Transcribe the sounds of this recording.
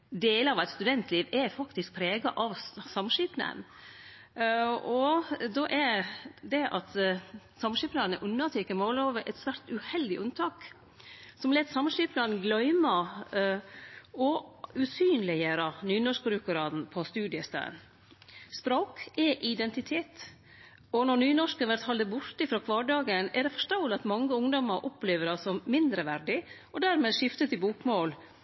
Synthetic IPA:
d̪eːləɑʋæɪt̪st̪ʉd̪ɛnt̪ʰliːʋɛfɑkt̪ɪsk̚pʰɾeːɡɑʔɑʋsɑmʂiːpnə̰n | ɔd̪ɔʔɛɾd̪ɛʔɑt̪ | sɑmʂiːpnɑnəʔʉnːɑt̪ʰɛːkəmoːloːʋəʔɛt̪sʋæɾt̪ʉhɛld̪ɪʔʉnt̪ʰɑːk | sɔmleːt̪sɑmʂiːpnɑnɡlœʏmɑ | ɔʉsyːnlɪjəɾɑnyːnɔʂkɾʉkʊɾɑːd̪n̩pʰɔst̪ʉːd̪ɪəst̪æ̰n | spɾoːkɛʔɪd̪ɛnt̪ɪt̪ʰeːt̪ | ɔnɔnyːnɔʂkəʋæɾt̪hɑld̪əbʊɾt̪ɪfɾoːkʰʋɑːɖɑːɡənɛɖɛfɔ̥ʂt̪ɑʊlɑt̪mɑŋːəʊŋd̪ɔməɾʔɔpleːʋəɖɑsɔmmɪnd̪ɾəʋæɾɖɪ | ɔd̪æɾmeːʂɪft̪ət̪ɪbuːkmoːl

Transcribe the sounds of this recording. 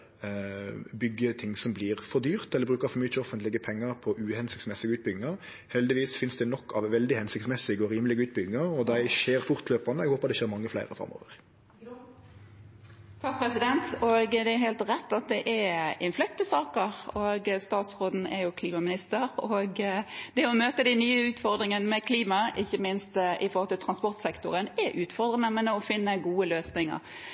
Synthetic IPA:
bʏɡːət̪ʰɪŋsɔmblɪʁfɔɾd̪yːʁt̪ɛlːəbɾʉːkɑfɔmyːət͡ʃɔfənt̪lɪɡəpʰɛŋːəɾpʰɔʔʉhɛnsɪkt̪smɛsɪɡəʉːt̪bʏɡɪŋɑʁ | hɛld̪ɪʋiːsfɪnsd̪ɛnɔkːɑʋʋɛld̪ɪhɛnsɪk̚t̪mɛsɪɡəɔɾiːməlɪɡəʉːt̪̚bʏɡɪŋɑʁɔd̪æɪʃeːɾfʊʁt̪løːpɑnəɛɡhoːpəɑd̪ɛʃeːɾmɑŋːəflæ̰ɪɾəfɾɑ̰mo̰ːʋəʁ | t̪ʰɑk̚pʰɾɛsɪd̪ɛnt̪oɡd̪ɛæɾɦæɪlt̪ɾɛt̪ːɑt̪̚d̪ɛʔɛɪnflœkt̪əsɑːkəʁoɡst̪ɑːt̪sʁoːd̪n̩ɛ̰jʊkʰliːmɑmɪnɪst̪əɾoɡd̪̥ɛɔmøːt̪əd̪æɪnyːəʉːt̪fɔʁd̪ʁɪŋənəmɛkʰliːmɑʔɪçːəmɪnst̪ʔɪfɔɾhɔlt̪ɪlt̪ʰʁɑnspɔʁt̪sɛkt̪ʊʁənɛɾʔʉːt̪fɔʁd̪ʁənəmɛnəɔfɪnːəɡuːəløːsnɪŋə̰ʁ

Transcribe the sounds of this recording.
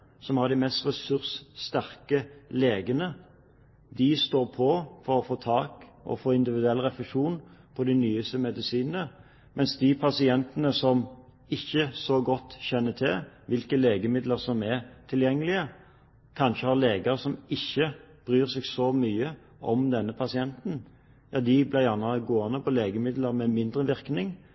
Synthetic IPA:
sɔmhɑʁd̪ɪmɛst̪ʁɛsʉʁsːt̪æʁkəleːɡənə | d̪ɪst̪oːʁpʰɔfɔɾɔfoːt̪ʰɑːkʔɔ̰foːɪnd̪ɪʋɪd̪ʉɛlːʁɛflɛʂuːnpʰɔd̪ɛnyːəst̪əmɛd̪ɪsiːnnə | mʔɛnsd̪ɪpʰɑsɪɛnt̪ənəsɔm | ɪçːəsɔɡɔt̪ːçɛnːət̪ʰɪlʋɪlkəleːɡəmɪd̪ləʁsɔmɛʁt̪ʰɪljɛŋːəlɪə | kʰɑnʃəhɑʁleːɡɑɾəsɔmɪçːəb̥ɾyːʁsɛɡsɔmyːə | ɔmd̪ɛnːəpʰɑsɪɛnt̪n̩ | jɑːd̪ɪblɪʁjæʁnəɡoːɑnəpʰɔleːɡəmɪd̪ləɾmɛmɪnd̪ɾəʋɪɾknɪŋ

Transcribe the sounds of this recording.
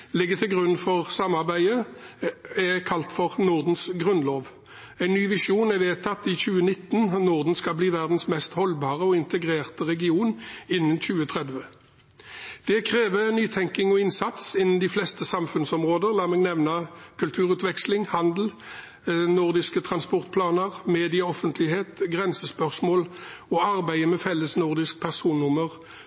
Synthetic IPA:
lɪɡːət̪ʰɪlɡʁʉnfɔʁsɑmːɑʁbæɪə | ɛkʰɑlt̪fɔʁnʊʁd̪n̩sɡʁʉnloːʋ | æɪnːyːʋɪʂuːnæʋeːt̪ʰɑt̪ɪçʉːənɪt̪ːnnʊʁd̪n̩skɑbliːʋæʁd̪n̩smɛst̪hɔlbɑːʁəɔɪnt̪əɡʁeːʁt̪əʁɛɡɪuːnɪnːənçʉːət̪ʰʁɛd̪ʋə | d̪̥ɛkʰʁeːʋənyːt̪ʰɛŋkɪŋɔɪnsɑt̪sɪnənd̪iːflɛst̪əsɑmfʉnsɔmʁoːd̪əʁlɑːmɛːɡnɛʋnɑkʰʉlt̪ʰʉːʁʉːt̪ʋɛkslɪŋhɑnd̪l̩ | nʊʁd̪ɪskət̪ʰʁɑnspɔʁt̪̚pʰlɑːnəʁmeːd̪ɪəɔfənt̪ʰlɪheːt̪ɡʁɛnsəspœʁsmoːlɔɑʁbæɪəmɛfɛlːəsnʊʁd̪ɪsk̚pʰæʁsuːnːʊməʁ

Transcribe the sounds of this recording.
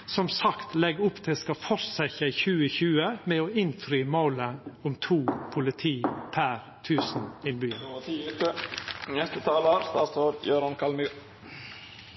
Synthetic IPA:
sɔmsɑkt̪lɛɡːʊpːt̪ʰɪlskɑfɔɾsæçəɪçʉːəçʉːəmɛoːɪnfɾyːmoːləʊmt̪ʰuːpʰʊlɪt̪ʰiːpʰæɾ | t̪ʰʉːsn̩ɪnbyːəənɛst̪ət̪ʰɑːləɾst̪ɑ̰ːsoːɾjøːɾɑnkʰɑlmʉ

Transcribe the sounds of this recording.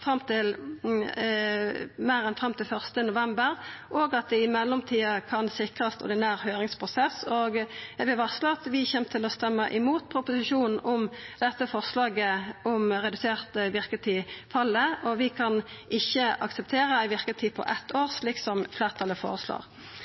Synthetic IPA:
fʁɑmt̪ɪl | mæːʁɛnfʁɑmt̪ɪlfœʁst̪ənʊʋɛmbəɾʔɔɡɑt̪̚d̪ɪɪmɛlːɔmt̪ʰiːɑkʰɑnsɪkʁɑst̪ɔ̰ʁd̪ɪnæːʁhøːʁɪŋspʰʁʊsɛsɔɡɛʋɪʋɑʁslɑt̪ʋɪçɛmt̪ʰɪlɔst̪ɛmːəʔɪmuːt̪pʰɾʊpʊsɪʃuːnn̩ʔɔmd̪̥ɛt̪ːəfɔʁslɑːɡəɔmʁɛd̪ʉseːʁt̪əʋɪʁkət̪ʰiːfɑlːəʔɔʋɪkʰɑnʔɪçːəʔɑ̰ksəp̚t̪ʰeːɾəɪʋɪʁk̪ət̪ʰiːpʰɔ̰ʔɛt̪ʰːoːʁsliːksɔmfleːʁt̪ʰɑlːəfo̰ːʁəslo̰ːʁ

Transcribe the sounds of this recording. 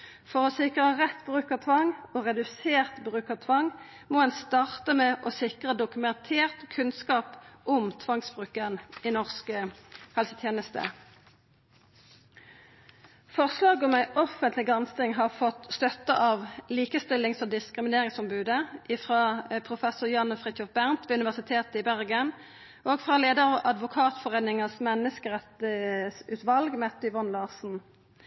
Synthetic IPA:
fɔʁɔsɪkʁəʁɛt̪bʁʉːkɑt̪ʰʋɑŋoːʁɛd̪ʉseːʁt̪bʁʉːkɑt̪ʰʋɑŋ | moːɛnst̪ɑːʁt̪əmɛʔɔsɪkʁəd̪ʊkʉmɛnt̪ʰeːʁt̪kʰʉnskɑːpʔʊmt̪ʰʋɑŋsbʁʉːkəniːnɔʁskəhɑlsət̪ʰjeːnəst̪ə̰ | fɔʁslɑːɡɔmæɪʔɔfənt̪lɪɡʁɑnst̪ɪŋɦɑːʁfɔt̪st̪œt̪əʔɑːʋliːkəst̪ɪlːɪŋsɔd̪ɪskʁɪmɪneːʁɪŋsɔmbʉːd̪əʔɪfʁɑːpʰʁʊfɛsʊʁjɑnəfʁɪt̪ʰɔfbæʁnt̪ʋeːʉnɪʋæʁsɪt̪ʰeːt̪əɪbæʁɡən | ʔoːɡfʁɑːleːd̪əʁɑʋɑd̪ʋʊkʰɑːt̪fɔʁeːnɪŋɑsmɛnːəskəʁɛt̪əsʉːt̪ʋɑlɡmɛt̪ːʏʋɔnlɑːsn̩

